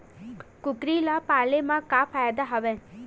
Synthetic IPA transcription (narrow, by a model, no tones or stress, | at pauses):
kukɾilapalemãkapʰajad̪aɦɐʋe